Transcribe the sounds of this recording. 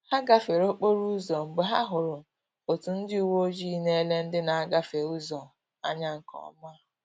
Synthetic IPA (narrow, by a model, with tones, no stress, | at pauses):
ha˦ɡa˦fe˨ɾo˦k͡po˦ɾu˦zɔ˨ŋ͡m̩˨ɡ͡bʊ˨ɦa˦ɦʊ˨ɾʊ˨ | o˨tu˨n̩˦dɪ˦u˦˨wo˦d͡ʒi˦ne˦le˦n̩˦dɪ˦na˨a˦ɡa˦fe˨u˦zɔ˨ | a̰˦ɲa˦ŋ̩˨kɔ̰˨˦ma˦˨